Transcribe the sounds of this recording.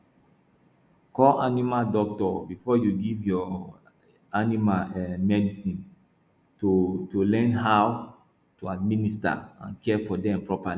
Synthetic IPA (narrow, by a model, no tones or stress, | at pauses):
kɔlʔanimadɔk̚tɔbifɔjuɡivjɔ | animaɛmɛdisĩn | totulɛ̃nɦaw | tuad̚minista̰ã̰nkɛfɔdɛ̃mpɹɔpali